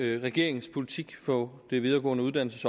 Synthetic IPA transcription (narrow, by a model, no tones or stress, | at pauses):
ʁɛɡ̥e̝ɐ̰eŋ̩spʰo̝lit͡sʰiɡ̥fɒ̽d̥e̝ʋið̞ˠɐːɡ̥ɔ̰̽ːnəuðˠd̥æn̰l̩səsɒ̽